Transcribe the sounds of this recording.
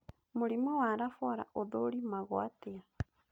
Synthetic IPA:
muɾimawaɾafɔɾa̰ʔoðoɾimaɣwatea

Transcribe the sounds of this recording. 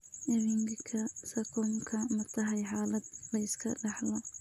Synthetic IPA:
ʔɛβiŋɡkʰɐsɐkʰɔŋkʰɐmɐt̪ʰɐɦɐjħaːlɐd̪̚lɐɪskʰɐ̰ɖɑħlɐ

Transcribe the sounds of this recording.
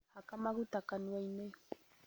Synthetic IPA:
hakamaɣut̪akanuajne

